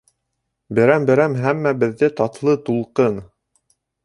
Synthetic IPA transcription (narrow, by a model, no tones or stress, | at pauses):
bɘ̆ɾæmbɘ̆ɾæmɦæmːæbɘ̆ðːɘt̪ɑt̪lˠɤt̪ulˠqɤn